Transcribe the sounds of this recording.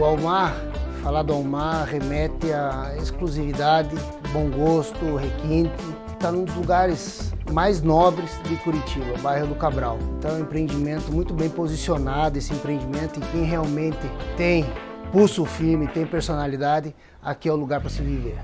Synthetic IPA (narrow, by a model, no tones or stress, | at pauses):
ʊawmaɾ | falad̪ʊawmaʁemɛt̪ɪaeskluzivid̪ad̪ɪ | bõw̃ɡost̪ʊɦekĩnt̪ɪ | t̪anũd̪ʊzluɡaɾɪzmajznɔbɾɪzd̪ɪkuɾit͡ʃibɐbajɦʊd̪ʊkabɾawẽnt̪ɐ̃w̃ɛẽmpɾẽnd͡ʒimẽnt̪ʊmũj̃t̪ʊbẽj̃pozisionad̪ʊesɪẽmpɾẽnd͡ʒimẽnt̪ʊɪ̃kẽj̃ɦeawmẽnt̪ɪt̪ẽj̃ | pusʊʊfiɾmɪt̪ẽj̃peɾsonalid̪ad̪ɪ | a̰kiɛʊluɡaɾpɾɐsɪviveɾ